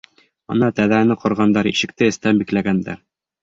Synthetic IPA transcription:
ɒ̰nɑt̪æðænɘqŏɾʁɑnd̪ɑɾḭʃɘ̆k̚t̪ɘɘ̆st̪æmbiklæɡænd̪æ̰ɾ

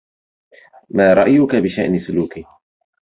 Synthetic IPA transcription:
maːɾˤɑʔjʊkabɪʃaʔnɪsʊluːki

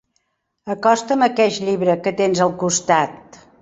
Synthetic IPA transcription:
əkɔst̪əməkɛʃʎiβɾəkət̪enzəlˠkust̪at̪̚

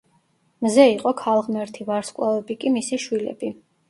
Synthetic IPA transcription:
mzɛiqʼɔkʰalˠʁmɛɾt̪ʰivaɾskʼwavɛbikʼimisiʃwilɛ̰bi

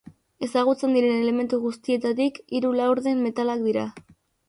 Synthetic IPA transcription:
e̞saɣ̞ut͡se̞nd̪iɾe̞ne̞le̞me̞nt̪uɣust̪ie̞t̪at̪ikiɾulawɾðe̞mːe̞t̪alak̚d̪iɾa̰

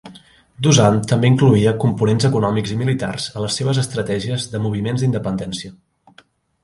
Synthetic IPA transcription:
d̪uzant̪əmbeiŋkluiəkumpunenzəkunɔmiɡzimilit̪a̰rz̥ələsːeβ̞əzəst̪ɾət̪ɛʒiəzðəmuβ̞imenzd̪ind̪əpənd̪ɛnsiə

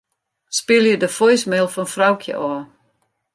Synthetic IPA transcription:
spɪljədəfɔjsmelˠfɔnfrawkʰjə̰ʔɔː

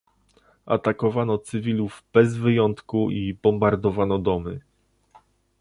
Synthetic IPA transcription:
ʔa̰t̪akɔvanɔt̪sɘvʲiluvb̥ɛzvɘjɔnt̪kuʔibɔmbaɾd̪ɔvanɔd̪ɔmɘ

